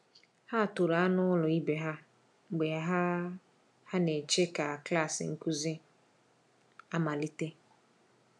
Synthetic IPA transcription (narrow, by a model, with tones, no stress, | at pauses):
ha˦˨tʊ˨ɾa˨a˦nʊ˦lʊ˨i˦be˨ɦa˦ | ŋ͡m̩˨ɡ͡be˨a˦ɦa˦ | ha˦ne˨t͡ʃe˦ka˨kla˦˨sɪ̰˨ŋ̩˦ku˦zi˦ | a˦ma˨li˦te˦